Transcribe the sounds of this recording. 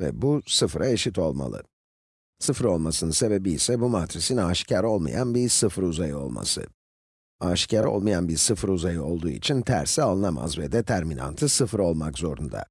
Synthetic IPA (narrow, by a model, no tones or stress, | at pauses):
vɛ̰busɯfɾʔaeʃit̪ʰo̞lˠma̰lˠɯ̰ | sɯfɾo̞lˠmasɯnɯnse̞be̞biːsɛbumat̪ɾisinaʃcaɾo̞lˠma̰janbiɾsɯfɾuzajɯo̞̰lˠma̰sɯ̰ | aʃcʰaɾo̞̰lˠmajanbiɾsɯfɾuzajɯo̞lˠd̪uːḭt͡ʃʰint̪ʰæ̰ɾsialˠɯnama̰zvɛd̪ɛt̪ʰæɾmina̰nt̪ʰɯsɯfɾo̞lˠmakzo̞ɾund̪a̰